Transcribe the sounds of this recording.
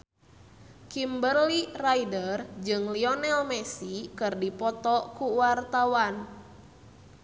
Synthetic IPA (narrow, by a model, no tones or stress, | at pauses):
kimbərliraidərd͡ʒɨŋliɔnɛlmɛsikɨrdipɔt̪ɔkuwart̪awan